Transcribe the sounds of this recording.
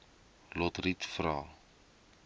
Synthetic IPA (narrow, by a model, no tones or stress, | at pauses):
lot̪rit̪fraː